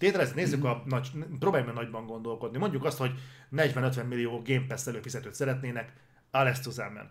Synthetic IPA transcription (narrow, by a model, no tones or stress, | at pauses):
t̪eːt̪ɛlɛzɛt̪neːzːykɒnɒpɾoːbaːjumɛnɒɟbɒŋɡo̞nd̪o̞lkod̪nimo̞ɲɟukɒst̪ho̞ɟnɛɟʋɛnø̞t̪ʋɛmːilːijoːɡeːmpɛsːɛløːfizɛt̪øːt̪sɛɾɛt̪neːnɛk | alɛst̪uzamːɛ̰n